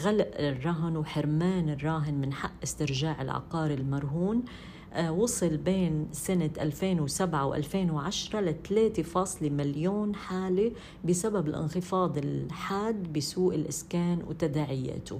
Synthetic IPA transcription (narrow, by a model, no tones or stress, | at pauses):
ɣalaʔɪrˤːɑɦɪnwħɪɾmaːnɪrˤːɑːɦɪnmɪnħa̰ʔːɪst̪ɪɾʒaːʕɪ̰lʕɑ̰qɑːɾɪlmɑɾˤɦuːn | wɑsˤɨlbeːnsanaʔalfeːnwsabʕawʔa̰lfeːnwʕaʃɾˤɑlat̪leːt̪efɑːsˤlemaljoːnħaːli | bɪsababɪlʔɪ̰nxɪfɑːd̪ˤɪlħaːd̪bɪsuːʔɪlʔɪskaːnwt̪ad̪aːʕɪja̰ːt̪ʊ̰